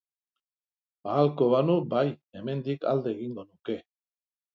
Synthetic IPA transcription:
aːlko̞βanubaje̞me̞nd̪ika̰ld̪e̞ːɣiŋɡo̞nuke̞

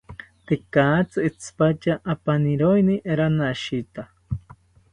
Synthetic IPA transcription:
t̪ekaːt͡sɨit͡sʰpat͡ʃaʔːpaniɾojniʔeɾanaʃit̪a

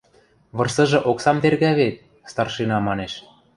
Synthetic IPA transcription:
βɤ̆rsɤ̆ʒɤ̆ʔoksɑmt̪erɣæβet̪̚ | st̪ɑrʃinɑmɑneʃ

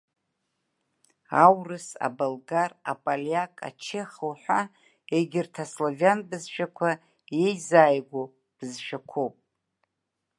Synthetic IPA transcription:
awrɨsa̰balɡara̰pʼaljakʼa̰t͡ʃʰeχəwħʷᶣa | eɡʲɪrtʰaslovjanbɨzʃᶣakʷʰa | je̞jzaːjɡʷo | b̥ɨzʃʷᶣakʷʰowpʼ

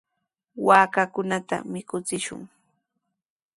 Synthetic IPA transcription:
waːkakʊnat̪a̰mɪkʊt͡sɪʃʊ̰ŋ

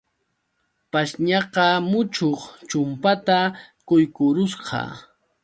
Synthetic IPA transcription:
paʃɲɑqɑmʊt͡ʃoχt͡ʃʊmpat̪akʊjkʊɾʊsɢɑ̰

